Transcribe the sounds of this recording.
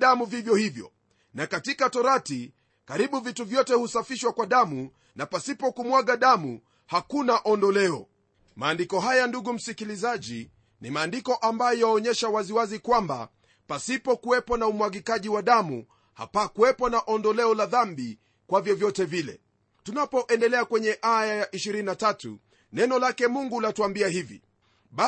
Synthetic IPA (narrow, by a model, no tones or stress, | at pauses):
ɗamuvivjɔhivjɔ̰ | nakatikatɔɾati | kaɾiɓuvituvjɔtɛhusafiʃwakwaɗamu | napasipɔkumwaɠaɗamu | hakunaʔɔndɔlɛɔ | maːndikɔɦajanduɡum̩sikilizaʄi | nimaːndikɔʔambajɔjaɔɲɛʃawaziwazikwamba̰ | pasipɔkuwɛpɔnaumwaɠikaʄiwaɗamṵ | ha̰pakuwɛpɔnaʔɔndɔlɛɔlaðambi | kwavjɔvjɔtɛvilɛ̰ | tunapɔʔɛndɛlɛakwɛɲɛʔajajaʔiʃiɾininatatṵ | nɛnɔlakɛmuŋɡulatuambiaɦivḭ | ɓa